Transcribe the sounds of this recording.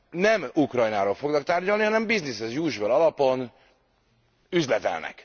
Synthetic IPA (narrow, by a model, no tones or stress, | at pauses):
nɛmukrɒjnaːɾoːlfo̞ɡnɒk̚t̪aːrɟɒlnihɒnɛmbiznishɛzjuːʒvølɒlɒpo̞n | yzlɛt̪ɛ̰lnɛ̰k